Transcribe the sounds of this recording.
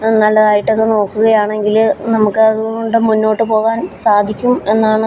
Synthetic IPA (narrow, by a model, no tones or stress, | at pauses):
nɐnːɐlɐðaːjiʈːɐðeno̞ːkːuɣɐjaːɳe̞ŋɡilnɐmukːɨɐðuoɳɖɨmunːo̞ːʈːɨpo̞ːɣaːnsaːd̪ʱikʲːume̞nːaːɳɨ